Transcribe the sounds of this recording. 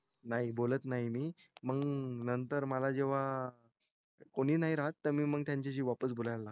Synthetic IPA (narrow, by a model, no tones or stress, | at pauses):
naɦibolət̪naɦimiːməɡnənt̪əɾməlad͡ʑeʋa | koɽ̃iːnaɦiɾaɦət̪ːəɾmiːməɡ̚t̪jaɲt͡ɕaɕ̬iːʋapəsbolajla